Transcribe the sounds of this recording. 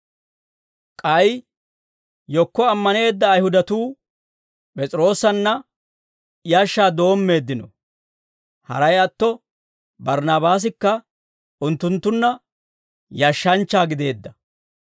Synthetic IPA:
kʼɐj | jɔkːɔɐmːɐne̞ːd̪ːɐːjhʊd̪ɐt̪uː | pʼɛt͡sʼɪɾo̞ːsːɐnːɐ | ɪjɐʃːaːd̪o̞ːmːe̞ːd̪ːɪnɔ̰ | hɐ̰ɾɐjɐt̪ːɔ | bɐɾnaːbaːs̬ɪkːɐ | ʔʊnt̪ːʊnt̪ːʊnːɐ | jɐʃːɐnt͡ʃːaːɡɪd̪e̞ːd̪ːɐ

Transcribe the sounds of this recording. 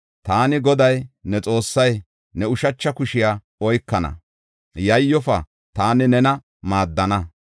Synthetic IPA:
t̪aːnɪɡɔd̪ɐjnɛt͡sʼo̞ːsːɐj | nɛʊʃɐt͡ʃːɐkʊʃɪja | ɔjkːɐnɐ̰ | jɐjːɔfɐ | t̪aːnɪnɛnɐ | maːd̪ːɐnɐ

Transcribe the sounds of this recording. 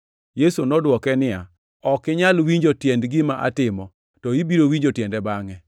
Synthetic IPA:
jesonɔdwɔkɛnɪja̰ | ɔkɪɲalwiɲd͡ʒotjɛndɡɪmaʔa̰tɪmɔ | tɔibiɾowiɲd͡ʒotjɛndɛbaŋɛ

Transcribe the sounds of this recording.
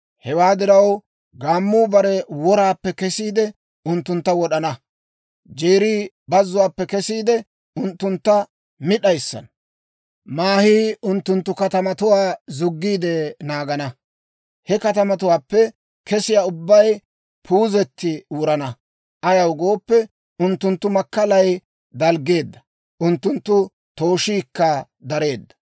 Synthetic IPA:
hɛwaːd̪ɪɾɐw | ɡaːmːuːbɐɾɛwɔɾaːpːɛkɛsiːd̪ɛ | ʊnt̪ːʊnt̪ːɐwɔɗɐnɐ | d͡ʒeːɾiː | bɐzːʊwaːpːɛkɛsiːd̪ɛ | ʊnt̪ːʊnt̪ːɐ | mɪɗɐjsːɐ̰n | maːhiːʊnt̪ːʊnt̪ːʊkɐt̪ɐmɐt̪ʊwaːzʊɡːiːd̪ɛnaːɡɐnɐ | hɛkɐt̪ɐmɐt̪̬ʊwaːpːɛ | kɛsɪjaːʊbːɐj | pʰuːzɛt̪ːɪuːɾɐnɐ | ʔɐjɐwɡo̞ːpːɛ | ʊnt̪ːʊnt̪ːʊmɐkːɐlɐj | d̪ɐlɡe̞ːd̪ːɐ | ʔʊnt̪ːʊnt̪ːʊ | t̪o̞ːʃiːkːɐ | d̪ɐɾe̞ːd̪ːɐ̥

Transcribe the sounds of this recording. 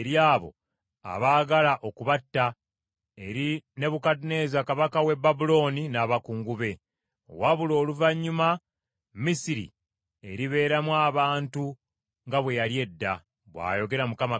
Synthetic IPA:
eɾjaːβo̞̰ | a̰βaːɡalaʔo̞kuβatːa | e̞ɾine̞βukatne̞zakaβakawe̞bːabulo̞ːninaːβakuːŋɡuβe̞ | o̰waβulo̞ːluvaɲːuma | misiɾḭ | e̞ɾiβe̞ːɾamwaːβaːntu | ŋɡaβwe̞jalje̞dːa | βwa̰ːjo̞ɡe̞ɾamukama

